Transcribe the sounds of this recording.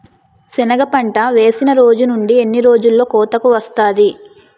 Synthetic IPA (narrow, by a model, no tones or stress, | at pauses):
sinɐɡɐpɐɳʈɐʋe̞ːsinɐɾo̞ːd͡ʒunuɳɖie̞nːiɾo̞ːd͡ʒulːo̞ːkɔːt̪ɐkuʋɐst̪aːd̪i